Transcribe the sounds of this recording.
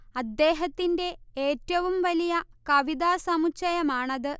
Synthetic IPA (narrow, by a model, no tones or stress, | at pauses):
ɐd̪ːe̞ːɦɐt̪ːinde̞eːtːɐʋumʋɐlijɐkɐʋid̪aːsɐmut͡ɕːɐjɐmaːɳɐðɨ